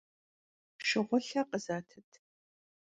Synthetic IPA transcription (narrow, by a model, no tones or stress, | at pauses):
pʃɪʁʷʊɬɐqəzaːtʰɐtʰ